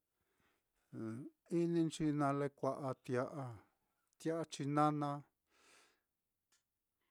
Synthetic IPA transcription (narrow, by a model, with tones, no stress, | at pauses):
i˦nĩ˧nt͡ʃi˧nã˧le˧kʷa˧ʔa˧t̪ja˧ʔa˧ | t̪ja˦ʔa˧t͡ʃi˧nã˦nã˧